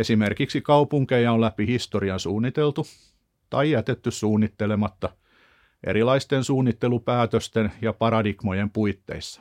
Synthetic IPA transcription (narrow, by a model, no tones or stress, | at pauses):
esimerkiksikɑupuŋkejɑolæpihist̪oriɑnsuːnːit̪elt̪u | t̪ɑijæt̪et̪ːyssuːnːit̪ːelemɑt̪ːɑ | ʔḛɾilɑist̪ensuːnːit̪ːelupæːt̪øst̪enjɑpɑɾɑdikmojempuit̪ːḛisːɑ̥